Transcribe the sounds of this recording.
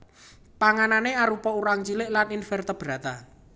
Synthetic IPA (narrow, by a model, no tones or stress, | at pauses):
paŋananeaɾupɔuɾaŋt͡ʃilɪʔlaninfɛrt̪əb̥ɾa̤t̪a